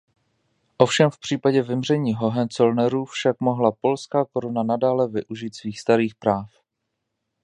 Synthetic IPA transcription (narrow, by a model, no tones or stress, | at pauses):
ʔo̞fʃɛmfpr̝̥iːpaɟɛvɪmr̝ɛɲiːɦo̞ɦɛnt͡solnɛɾuːfʃakmoɦlapo̞lskaːko̞ɾonanadaːlɛvɪʔuʒit̪sviːxst̪aɾiːxpɾaːf